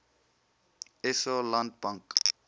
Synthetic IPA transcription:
ɛsɔlãnd̚bãŋk

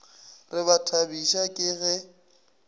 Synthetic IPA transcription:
rɪβatʰabiʃakʼɪɣɛ

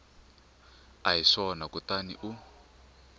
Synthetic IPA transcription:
aɦiʂɔnakut̪anḭʔu

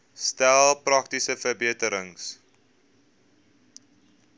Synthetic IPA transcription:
stælˠprɐk̚tisəfərbiətəɾəŋs

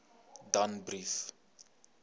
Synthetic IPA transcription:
danbriθ

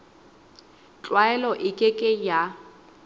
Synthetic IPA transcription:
t͡ɬʼwaɛlɔʔɪkʼɪkʼɪja

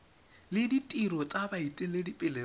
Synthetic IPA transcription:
lɪditʼiɾɔt͡sʼabaitʼɛlɪdipʼɪlɛ

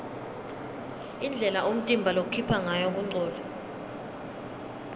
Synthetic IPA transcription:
ind͡ɮʱɛlaʔom̩tʼimbʱalok̬ukʰipʰaŋajɔk̬uŋ͡ǀɔːlɛ

